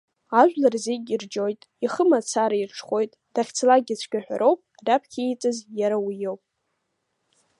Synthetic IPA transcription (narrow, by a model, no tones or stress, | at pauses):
aʒᶣʷlarziɡʲird͡ʒo̞jtʼ | iχəmat͡sʰaɾairʈ͡ʂʰχʷo̞jtʼd̥aχʲt͡sʰlaɡʲɪt͡sʷʰkʲʼᶣaħʷᶣa̰ɾʔo̞wpʼrapʰkʲʰiit͡sʼɨzjaɾawijowpʼ